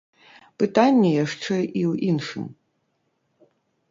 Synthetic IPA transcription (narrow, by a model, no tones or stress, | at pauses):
pɨt̪anʲːɛjaʂt͡ʂɛʔiwinʂɨ̰m